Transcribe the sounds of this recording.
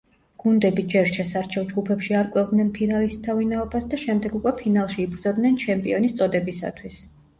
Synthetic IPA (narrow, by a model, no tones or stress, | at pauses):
ɡ̥und̪ɛbid͡ʒɛɾʃɛsaɾt͡ʃʰɛvˠd͡ʒɡupʰɛpʃiaɾkʼwɛvd̪nɛnpʰinalist̪ʰavinaɔbasd̪aʃɛmd̪ɛɡukʼwɛpʰinalˠʃiːbɾd̪zɔd̪nɛnt͡ʃʰɛmpʼiɔnist̪sʼɔd̪ɛbisa̰t̪ʰwis